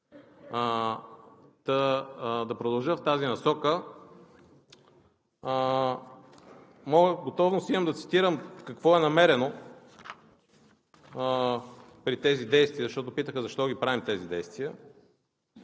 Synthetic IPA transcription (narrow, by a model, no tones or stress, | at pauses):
t̪ɐd̪ɐpɾod̪ɐlˠʒəft̪azinɐsɔkə | mɔɡəɡot̪ɔvnosimɐmd̪ɐt̪si̥t̪iɾəmkɐkvɔɛnɐmɛɾɛno | pɾit̪ɛzid̪ɛjst̪viəzəʃt̪ɔt̪ʊpit̪əxəzɐʃt̪ɔɡʲipɾavimt̪ɛzid̪ɛjst̪viə